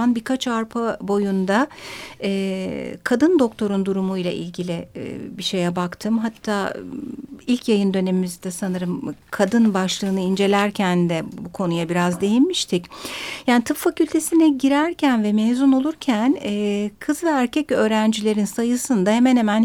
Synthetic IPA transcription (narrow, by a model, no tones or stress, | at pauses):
anbiɾkʰat͡ʃaɾpʰabo̞jund̪aɛːkʰad̪ɯnd̪o̞k̚t̪ʰo̞ɾund̪uɾumujlˠa̰ʔḭlʲɟilʲḭbiʃe̞jɛbakt̪ʰɯmɦat̪ʰːaː | ilʲcʰjajɯnd̪ø̞ne̞mimizid̪ɛsanɯɾɯmkʰad̪ɯnbaʃlˠɯːnɯind͡ʒe̞lʲæɾcʰænd̪ɛbukʰo̞nujabiɾazd̪e̞jinmiʃt̪ʰicjaːnit̪ʰɯffacylʲt̪ʰe̞sinɛɟiɾæɾcʰænvɛmeːzuno̞lˠuɾcʰænɛːkʰɯzvɛæɾcʰɛcø̞ːɾænd͡ʒilʲe̞ɾinsajɯsɯnd̪ahe̞mɛnhemæn